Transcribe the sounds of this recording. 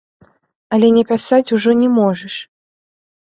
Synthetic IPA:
ɐlʲɛnʲɛpʲasat͡sʲuʐɔnʲɛmɔʐɐʂ

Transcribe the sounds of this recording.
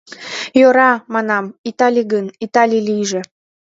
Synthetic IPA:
joɾɑmɑnɑmit̪ɑlʲiɡənit̪ɑlʲilijʒĕ

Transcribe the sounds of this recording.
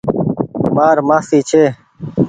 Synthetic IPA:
maːɾmaːsiːt͡ɕʰeː

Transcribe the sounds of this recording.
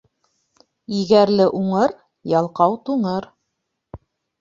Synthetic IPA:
iɣæɾlɘʔuɴɤɾ | jɑlˠqɑwt̪uɴɤɾ

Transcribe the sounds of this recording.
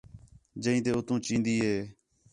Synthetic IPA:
d͡ʒəĩːt̪eːʊt̪ũːt͡ʃĩːnd̪iːɦeː

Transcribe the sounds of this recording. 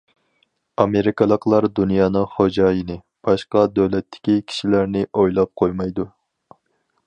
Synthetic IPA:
ɑmeɾɪkɑlˠəqlˠɑɾd̪unjɑːnɨŋχod͡ʒɑːjinɪ | b̥ɑʃqɑd̪øwlɛt̪ʰːɪ̥kʲikʲʰi̥ʃilæɾnɪʔojlˠɑp̚qʰojmɑjd̪u

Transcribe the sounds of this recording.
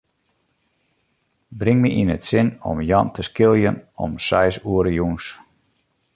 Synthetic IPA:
brɪŋmiʔinətsɪnɔ̰mjɑntʰəskɪlˠjənɔ̰msɛjsuəɾəjuns

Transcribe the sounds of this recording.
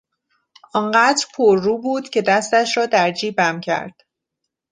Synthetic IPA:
ʔɒːnɢæːd̪ɾpʰoɾːuːbuːd̪̥cʰe̞d̪æst̪æʃɾɒːd̪æɾd͡ʒiːbæmcʰæ̰ɾd̪̥

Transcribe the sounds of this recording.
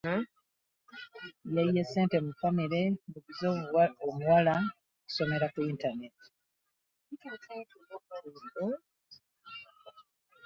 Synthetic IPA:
jaijese̞ːntemufamiɾe̞buβizoomuwala | oku̥so̞me̞ɾakuintane̞ti̥ | itutatunokaɾiːmbo

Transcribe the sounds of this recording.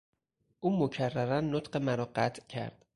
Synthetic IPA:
ʔuːmocʰærːæɾænːot̪ɢe̞mæɾɒːɢæt̪ʰcʰæ̰ɾd̪̥

